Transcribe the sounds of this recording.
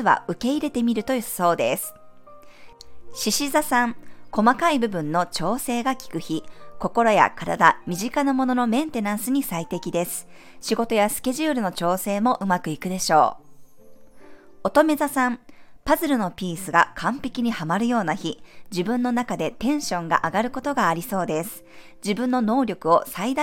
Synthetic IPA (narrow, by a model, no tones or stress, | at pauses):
ɨβa̰ɯ̟ke̞iɾe̞t̪e̞mʲiɾɯ̟t̪o̞jɯso̞ːd̪e̞sɨ̥ | ɕiɕizasãŋko̞makaibɯ̟bɯ̟̃nːo̞t͡ɕo̞ːse̞ːɡakʲi̥kɯ̟çiko̞ko̞ɾo̞ja̰kaɾa̰d̪amʲiʑikanamo̞no̞no̞mẽ̞nt̪e̞nãɰ̃sɨɲ̟isait̪e̞kʲid̪e̞sɨ̥ | ɕiɡo̞t̪o̞jasɨ̥ke̞ʑɨːɾɯ̟no̞t͡ɕo̞ːse̞ːmo̞ʔɯ̟makɯ̟ikɯ̟d̪e̞ɕo̞̰ː | o̞t̪o̞me̞zasãmpazɨɾɯno̞pʲiːsɨɡakʰãmpʲe̞kʲiɲ̟ihamaɾɯ̟jo̞ːnaçid͡ʑibɯ̟̃nːo̞nakad̪e̞t̪ẽ̞ɰ̃ɕõ̞ŋɡa̰ʔaɡaɾɯ̟ko̞t̪o̞ɡaːɾʲiso̞ːd̪e̞sɨ̥ | d͡ʑibɯ̟̃nːo̞no̞ːɾʲo̞kɯ̟o̞said̪a